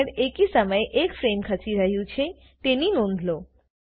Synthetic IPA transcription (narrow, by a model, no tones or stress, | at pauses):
ɾekisəməjeʔekfɾemkʰəsiɾəɦjũt͡ʃʰe | t̪eninond̪ʱlo